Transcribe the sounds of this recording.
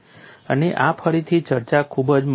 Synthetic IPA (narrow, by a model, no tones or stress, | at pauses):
əneʔapʰəɾit̪ʰit͡ʃəɾt͡ʃakʰubəd͡ʒm